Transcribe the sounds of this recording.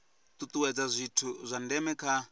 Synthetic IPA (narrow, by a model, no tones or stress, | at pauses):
t̪ut̪uwɛd͡zazʷitʰuzʷandɛmɛkʰa